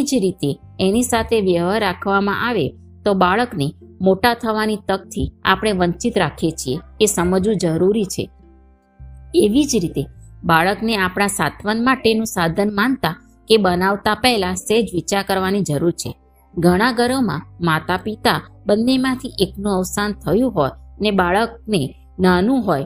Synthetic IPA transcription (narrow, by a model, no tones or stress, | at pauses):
id͡ʒɾit̪eenisat̪ʰeʋjəʋaɾːakʰʋamã̰ʔaʋḛ | t̪obaɭəknemoʈat̪ʰəʋanit̪ək̚t̪ʰia̰pɽ̃eʋəɲt͡ʃit̪ɾakʰet͡ʃʰiekesəməd͡ʒũd͡ʒəɾuɾit͡ʃʰḛ | eʋid͡ʒɾit̪ebaɭəkneapɽ̃asa̰t̪ʰʋənmaʈenũsad̪ʱənmant̪a | kebənaʋt̪apɛɦlased͡ʒʋit͡ʃaɾkəɾʋanid͡ʒəɾuɾt͡ʃʰḛ | ɡʱəɽ̃ãɡəɾəmã̰mat̪apit̪abənːemãt̪ʰiʔeknũəʋsant̪ʰəjũɦojənebaɭək̚ne | nanũɦoj